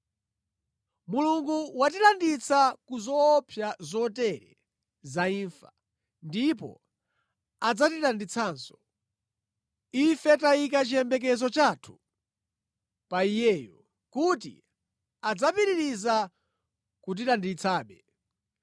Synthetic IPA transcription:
muluŋɡuwat̬ilandit͡sʰakuzɔːpʰjazɔtɛɾɛ̰ | zaiɱfḁ | ndipɔ̰ | ad͡zatiɗandit͡sʰaːnsɔ̥ | ifɛtaik̬at͡ʃiɛmbɛk̬ɛzɔt͡ʃatʰu̥ | paijɛːjɔ | kutḭ | ad͡zapiɾiɾiza | kut̬ilandit͡sʰaːɓɛ

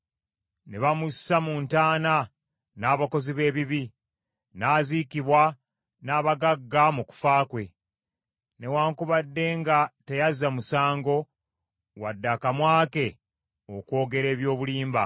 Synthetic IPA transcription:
neβamusamuntaːna | naːβako̞ziβe̞ːβiβi | naːzikiβwa | naːβaɡaɡːamuku̥faːkwe̞ | ne̞waːŋkuβadːe̞ːŋɡate̞jazamusaːŋɡo̞ | wadːakamwaːke̞ | okwo̞ːɡe̞ɾe̞ːβjo̞ːβuliːmba

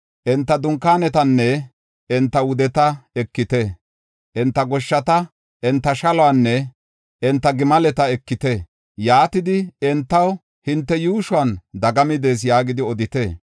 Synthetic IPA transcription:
ʔɛnt̪ːɐd̪ʊŋkːaːnɛt̪ɐnːɛ | ɛnt̪ːɐwʊd̪ɛt̪ɐɛkːɪt̪ɛ | ʔɛnt̪ːɐɡɔʃːɐt̪ɐ | ʔɛnt̪ːɐʃɐlɔanːɛ | ʔɛnt̪ːɐɡɪmɐlɛt̪ɐɛkːɪt̪ɛ | jaːt̪ɪd̪ɪɛnt̪ːɐw | hɪnt̪ːɛjuːʃwaːnd̪ɐɡɐmɪd̪eːs̬jaːɡɪd̪ɪɔd̪ɪt̪eː

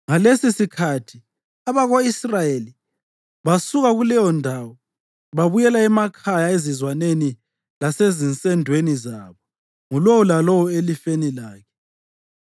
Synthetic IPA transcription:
ŋalesisikʰatʰi | aβaɣoisrajeli | βasuɣaɣulɛjɔndʱawɔ | βaβujɛlaɛmakʰajaezizwaneni | lasezint͡sʼɛndʱwenizaβɔ | ŋulɔwɔlalɔwɔelifenilaːkʰɛ̥

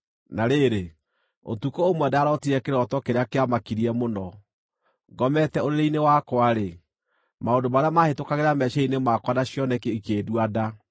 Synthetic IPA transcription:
naɾeɾe | o̰tukoomwɛdaːɾɔtiɾɛkeɾɔtɔkeɾeakeamakiɾiɛmonɔ | ɡɔmɛtɛoɾeɾeinewakwaɾe | maondomaɾeamahetokaɣeɾamɛɕainemakwanaɕjɔnɛkeikeːdwada

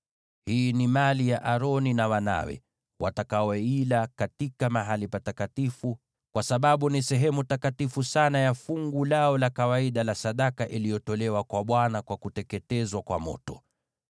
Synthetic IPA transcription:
hiːnimalijaʔaɾɔninawana̰wɛ̰ | wʔa̰takaɔilakatikamaɦalipatakatifu | kwasaɓaɓunisɛɦɛmutakatifusanajafuŋɡulaɔlakawaiɗalasaɗakaʔilijɔtɔlɛwakwaɓwanakwakutɛkɛtɛzwakwa̰mɔ̰tɔ

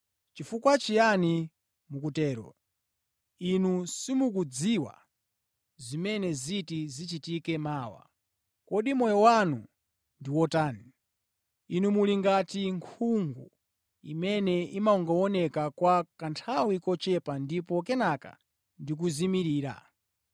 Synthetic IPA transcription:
t͡ʃifukwat͡ʃijani | mukutɛːɾɔ̰ | inusimukud͡ziwa̰ | zimɛnɛzitizit͡ʃitikɛmaːwa̰ | kɔɗimɔjɔwanu | ndiwɔtaːni | inumuliŋɡatiŋkʰuŋɡṵ | ḭmɛnɛimauŋɡawɔnɛkakwakantʰawikɔt͡ʃɛpandipɔkɛnaka̰ | ndik̬uzimiɾiːɾa̰

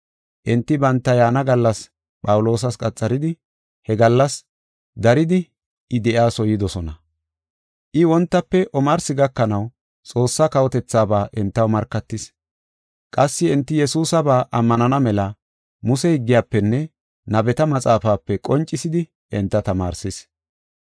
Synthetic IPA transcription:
ʔɛnt̪ːɪbɐnt̪ːɐjaːnɐɡɐlːɐs | pʼɐwʊlo̞ːs̬ɐskʼɐt͡sʼːɐɾɪd̪ɪ | hɛɡɐlːɐs | d̪ɐɾɪd̪ɪ | ɪd̪ɛʔaːsɔjɪd̪ɔsɔnɐ | ʔɪwɔnt̪ːɐpːɛʔɔmɐɾsɪɡɐkːɐnɐw | t͡sʼo̞ːsːɐkɐwɔt̪ɛt͡sːaːbaːʔɛnt̪ːɐwmɐɾkːɐt̪ːɪs | kʼɐsːɪɪnt̪ːɪjɛsuːsɐbaːʔɐmːɐnɐnɐmɛlɐ | mʊsɛhɪɡːɪjaːpːɛnːɛ | nɐbɛt̪ɐmɐt͡sʼaːfaːpːɛkʼɔnt͡ʃʼːɪsɪd̪ɪ | ɛnt̪ːɐt̪ɐma̰ːɾsɪs

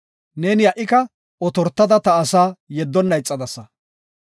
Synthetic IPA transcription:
ne̞ːnɪjɐʔɪkɐ | ʔɔt̪ɔɾt̪ːɐd̪ɐt̪ɐːsaːjɛd̪ːɔnːɐjt͡sʼːɐd̪ɐsːɐ

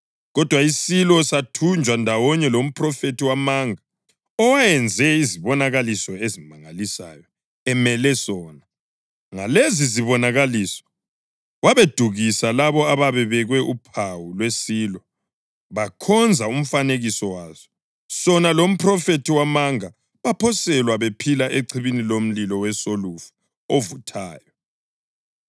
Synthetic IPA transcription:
ɣɔd̥ʱwaisilɔsatʰund͡ʒʱwandʱawɔɲɛlom̩pʰrɔfetiwamaːŋa | ɔwajɛnd͡zʱɛiziβɔnaɣalisɔezimaŋalisa̰jɔ | ɛmɛlɛsɔːna | ŋaleziziβɔnaɣalisɔ̥ | waβed̥ʱuɣisalaβɔaβaβɛβɛɣwɛʔupʰawulwesilɔ | βakʰɔnd͡zʱaum̩faneɣisɔwaːz̥ɔ | sɔnalom̩pʰrɔfetʰiwamaŋa | βapʰɔsɛlwaβepʰilaʔeǀʰiβinilom̩lilɔwɛsolufu̥ | ovutʰaːjɔ

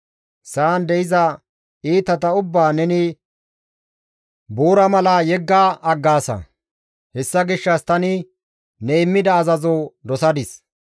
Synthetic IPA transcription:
saːnd̪ɛɪzɐ | iːt̪ɐt̪ɐʊbːaːnɛnɪ | buːɾɐmɐlajɛɡːaːʔɐɡːaːsɐ̰ | hɛsːɐɡɪʃːɐst̪ɐnɪ | nɛɪmːɪd̪ɐːzɐzod̪ɔsɐd̪ɪs

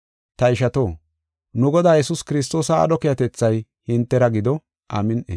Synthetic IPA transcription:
t̪ɐɪʃɐt̪o̞ː | nʊɡɔd̪aːjɛsʊskɪɾɪs̬t̪o̞ːsɐ̰ːɗɔkɪjɐt̪ɛt͡sːɐj | hɪnt̪ːɛɾɐɡɪd̪ɔ | ʔamɪnʔḛ

